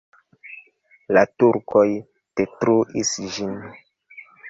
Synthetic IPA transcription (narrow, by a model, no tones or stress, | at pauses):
latuɾkoj | tetɾoʔisʒin